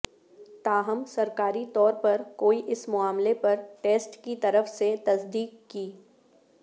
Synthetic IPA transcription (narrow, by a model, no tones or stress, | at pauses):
t̪aːɦəmsɐɾkaːɾit̪ɔːɾpɐɾkoːiʔɪsmʊaːmlepɐɾʈeːsʈkit̪ɐɾəfset̪ɐsd̪iːkːiː